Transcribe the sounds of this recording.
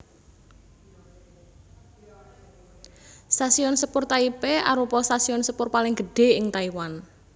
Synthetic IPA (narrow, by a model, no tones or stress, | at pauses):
st̪asiɔnsəpʊrt̪aipeaɾupɔst̪asiɔnsəpʊrpalɪŋɡ̥əɖ̥e̤ɪŋt̪aiwan